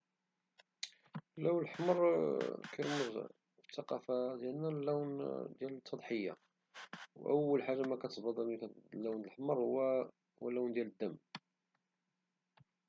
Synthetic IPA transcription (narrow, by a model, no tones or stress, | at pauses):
lːæwnlħməɾˤkiɾməz | ft̪ːɑqɑfad̪jælnælːæwnd̪jælət̪ːɑd̪ˤħəjːa̰ | wʔəwːəlħaʒːamækæt̪bɑd̪ˤɑlikælːæwnlħməɾˤhʊwːæ | wlːæwnd̪jæləd̪ːæm